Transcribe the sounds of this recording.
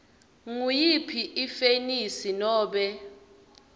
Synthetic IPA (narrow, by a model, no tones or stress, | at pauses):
ŋujipʰiʔifenisinɔːɓɛ